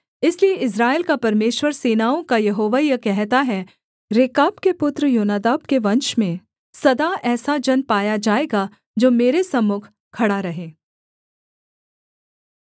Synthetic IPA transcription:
ɪslieɪs̬ɾaːeːlkapɐɾmeːʃwəɾseːnaːõkajɐɦoːʋajɐkɛɦt̪aɦɛ | ɾeːkaːbkepʊt̪ɾəjoːnaːd̪aːbkeʋɐ̃nʃmẽ | sɐd̪aɛːsad͡ʒɐnpaːjad͡ʒaːeːɡa | d͡ʒoːmeːɾesɐmːʊkʰ | kʰːɐɽaɾɐɦẽː

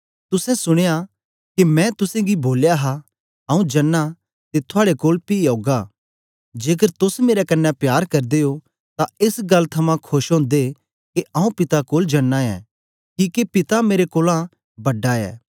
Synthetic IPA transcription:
t̪ʊsɛ̃sʊɽ̃eja | kimɛ̃t̪ʊsẽɡiboːljaɦa | ɐũd͡ʒɐnːa | t̪et̪ʰʊaːɽekoːlpioːɡa | d͡ʒeːk̬əɾt̪ʊsmeːɾɛkɐnːɛpjaːɾkɐɾd̪eːo | t̪aɪsɡɐlːt̪ʰɐmãkʰʊʃɦõːnd̪e | keʔɐ̃ũpɪt̪akoːld͡ʒɐnːãɛ̰ː | kiːkepɪt̪ameːɾekoːlã | bɐɖaɛ̰ː

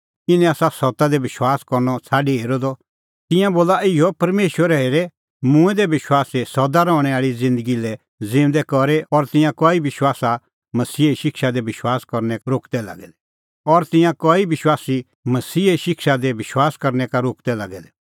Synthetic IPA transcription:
ɪnɛ̃aːsasɔt̪ad̪ɛʋɪʃwaːskɔɾnɔt͡sʰaːɖiɦeːɾɔd̪ɔ | t̪ɪ̃jãboːlaɪɔpɐɾmeːʃwəɾɛɦeːɾɛ | mʊ̃ɛ̃d̪ɛbɪʃwaːsesɔd̪aɾɔ̃ːɽ̃ɛaːɭid͡zɪ̃nd̪əɡilɛ | d͡zɪ̃nd̪ɛkɔɾeɔɾt̪ɪ̃jãkɔibɪʃwaːsa | mɐsiːeiʃɪkʃad̪ɛbɪʃwaːskɔɾnɛɾoːkd̪ɛla̰ɡɛd̪ɛ | ɔɾt̪ɪ̃jãkɔibɪʃwaːsi | mɐsiːeʃɪkʃad̪ɛbɪʃwaːskɐɾnɛkaɾoːkd̪ɛlaɡɛd̪ɛ

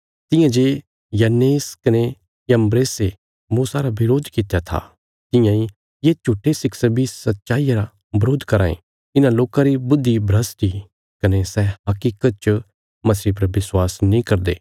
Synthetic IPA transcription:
t̪ɪ̃jãd͡ʒeː | jɐneːskɐne | jɐ̃mbɾeːse | muːsaɾabɪɾoːd̪ʱkɪt̪ejat̪ʰa̰ | t̪ɪ̃jãĩ | jet͡ʃʰuːʈʰːesɪksɐbisɐt̪ːʃaːijaɾa | bɐɾoːd̪ʱkɐɾã̰ːḛ̃ | ɪnãloːkãɾibʊd̪ʱːibʱɾɐsʈi | kɐnesɛɦɐkiːkət̪̚t͡ʃ | mɐsip̬ɐɾʋɪswaːsnĩkɐɾd̪ḛː

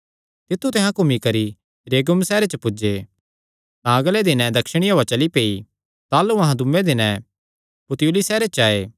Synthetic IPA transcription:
t̪ɪt̪ʰːut̪ɪ̃ɦãkʊmikɐɾi | ɾeːɡʊmsɛːɾet͡ʃəpʊd͡ʒe | t̪ãːɡəled̪ɪnɛ̃d̪ɐkʃəɽ̃ioːat͡ʃɐlipeːi | t̪aːluɐɦãd̪ʊmːẽd̪ɪnɛ̃ | pʊt̪juːlisɛːɾet͡ʃaːeː

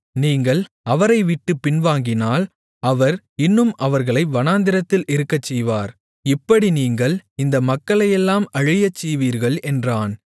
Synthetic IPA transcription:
niːŋɡɐɭ | ɐʋɐɾɐɪʋɪʈːɯpːɪnʋaːŋɡɪnaːl | ɐʋɐɾ | ɪnːɯmʔɐʋɐɾɣɐɭɐɪʋɐnaːnd̪ɪɾɐt̪ːɪlʔɪɾɯkːɐt͡ʃːɛjʋaːɾ | ɪpːɐɽiniːŋɡɐɭɪnd̪ɐmɐkːɐɭɐjɛlːaːmɐɻɪjɐt͡ʃːɛjʋiːɾɣɐɭɛndraːn

